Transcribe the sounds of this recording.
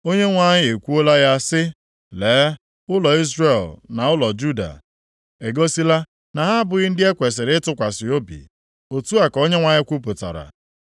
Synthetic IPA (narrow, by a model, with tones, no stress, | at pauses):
o˦ɲe˦ŋʷa˨ɲɪ˦e˨kʷu˦o˦la˦ja˦sɪ˦ | leː˨˦ | ʊ˦lɔ˨i˦zre˦˨lna˨ʊ˦lɔ˨d͡ʒu˦da̰˨ | e˨ɡo˦si˦la˦ | na˨ɦa˦bʊ˨ɣɪ˦n̩˦dɪ˦e˦kʷe˨s̬ɪ˨ɾɪ˦ɪ˦tʊ˦kʷa˨sɪ˨o˦bḭ˨ | o˨tu˦a˨ko˦ɲe˦ŋʷa˨ɲɪ˦kʷu˦p̬ʊ˨ta̰˨ɾa̰˨